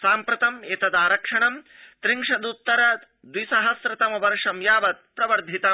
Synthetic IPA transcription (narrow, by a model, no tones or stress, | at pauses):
saːmpɾɐt̪ɐmeːt̪ɐd̪aːɾɐkʂɐɳɐmt̪ɾiŋʂɐd̪ut̪ːɐɾɐ | d̪wisɐɦɐsɾɐt̪ɐmɐʋɐɾʂɐmjaːʋɐt̪̚pɾɐʋɐɾd̪ʱit̪ɐ